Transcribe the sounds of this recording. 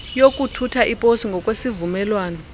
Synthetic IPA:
jok̬ʼutʰutʰaʔipʼosiŋɡʱɔkʼwesivumɛlwaːnɔ

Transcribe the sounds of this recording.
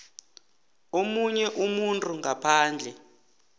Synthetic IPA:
omuɲɛʔumuntʼuŋɡʱapʰaːnd͡ɮʱɛ

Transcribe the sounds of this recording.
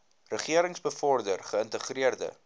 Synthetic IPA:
rəχiəɾəŋsbəfɔrdərχəəntəχriərdə̰

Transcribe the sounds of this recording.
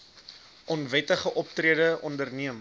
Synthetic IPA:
ʔɔnvɛtəχəʔɔp̚triədəʔɔndərniəm

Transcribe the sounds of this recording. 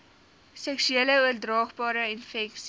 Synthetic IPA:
sɛksyeːləuərdrɑːχbɑːɾəinfɛks

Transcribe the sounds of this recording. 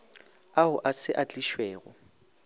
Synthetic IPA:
aɦʊʔasɪʔat͡ɬʼiʃweːɣɔ

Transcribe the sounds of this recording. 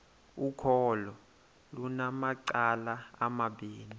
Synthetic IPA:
ukʰɔlɔ | lunamaǀalaa̰maɓiːni

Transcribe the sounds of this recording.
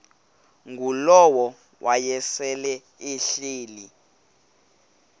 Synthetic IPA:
ŋɡulɔwɔ | wʔajɛsɛlɛ | iɬiːli

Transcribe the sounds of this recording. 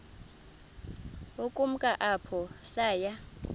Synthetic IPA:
okʼum̩kʼaʔapʰɔsaːja

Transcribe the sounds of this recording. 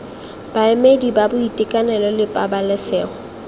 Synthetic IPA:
b̥aɪmedibabʊitʼɪkʼanɛlɔlɪpʼabalɛsɛːɔ

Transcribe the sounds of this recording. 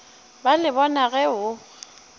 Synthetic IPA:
balɪbɔnaɣɛʊ

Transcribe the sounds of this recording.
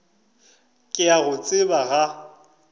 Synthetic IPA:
kʼɪaɣʊt͡sʼɪbaɣa

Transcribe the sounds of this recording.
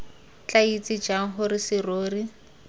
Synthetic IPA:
t͡ɬait͡sʼid͡ʒaŋ̩ɦʊɾisɪroːri

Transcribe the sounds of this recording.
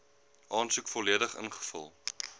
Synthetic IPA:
ʔɑːnsukfɔliədəχə̰nχə̥fə̰lˠ

